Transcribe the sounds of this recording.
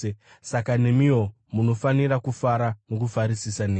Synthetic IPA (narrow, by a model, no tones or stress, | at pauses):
e | sakanemio̞ | muno̞faniɾakufaɾamokufaɾisisaneː